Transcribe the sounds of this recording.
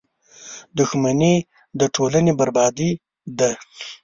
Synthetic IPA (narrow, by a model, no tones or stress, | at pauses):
d̪ʊxmani | d̪əʈʰolanebaɾbɑd̪i | d̪a